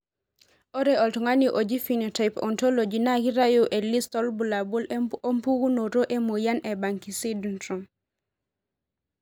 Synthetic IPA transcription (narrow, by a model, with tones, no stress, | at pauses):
o˦ɾeɔ˨ltu˨ŋa˦niʔo˨d͡ʒi˦fi˨no˨ta˨jpɔ̰˨nto˦lo˨d͡ʒi˨na˦ki˦ɾa˦jo˦ʔe˨li˦stɔ˦lbu˨la˨bu˦lo˦mpu˦ɡu˦no˨ɾo˦ʔe˦mo˨ja˦nɛ˨ba˨ŋki˨si˦du˨ntɾu˨m